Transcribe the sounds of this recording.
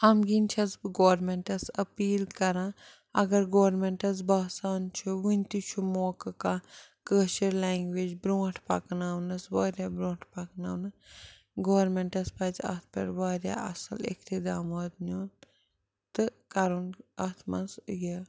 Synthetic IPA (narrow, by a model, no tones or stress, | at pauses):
ɐmɡinʲt͡ʃʰɐsbɨɡoːɾmeɳʈɐsɐpiːlkɐɾã | ɐɡɐɾɡoːɾmeɳʈɐs̬baːsaːnt͡ʃʰuʋinʲt̪it͡ʃʰumoːkɐka | kəːʃɐɾlaːŋɡʋeːd͡ʒbɾõːʈʰpɐknaːwnɐsʋaːɾʲjaːbɾõːʈʰpɐknaːwnɐ | ɡoːʋɐɾmeɳʈɐspɐːt͡sɐ̰t̪̚ʰpʲɐ̰ɾʋaːɾʲja̰ɐ̰sɐlḛkt̪ʰid̪aːmaːd̪noːn | t̪ɨkɐɾunɐt̪ʰmɐsje